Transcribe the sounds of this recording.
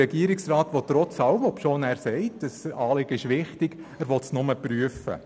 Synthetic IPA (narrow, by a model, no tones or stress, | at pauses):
ɛɡ̥iəɾɪksrɑːt̪ʋɔt̪ːɾɔt͡sɑʊəmɔpʃoːnæːɾsɛɪtəsɑːlɪɡ̥əɪʃʋɪχtɪɡ̥æːɾʋɔtsnʊməpryəfə̰